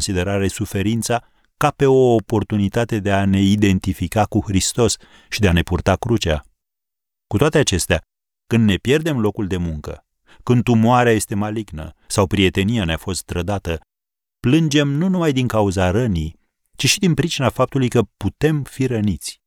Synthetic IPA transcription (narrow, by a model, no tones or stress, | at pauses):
nsid̪e̞ɾaɾe̞sufe̞ɾint̪sa | kape̞o̞ːpo̞rt̪unit̪at̪e̞d̪e̞ane̞id̪e̞nt̪ifikakuhɾist̪o̞s | ʃid̪eane̞purt̪akɾut͡ʃa̰ | kut̪oat̪e̞at͡ʃe̞st̪ea | kɨnd̪ːe̞pje̞rd̪e̞mlo̞kuld̪e̞muŋkə̰ | kɨnd̪umoaɾeaje̞st̪e̞maliɡnə̰sawpɾie̞t̪e̞nijaneafo̞st̪̚d̪ɾəd̪at̪ə | plɨnd͡ʒe̞mnunumajd̪iŋkauzaɾənij | t͡ʃiʃid̪inpɾit͡ʃinafap̚t̪ulujkəput̪e̞mfiɾənit̪sʲ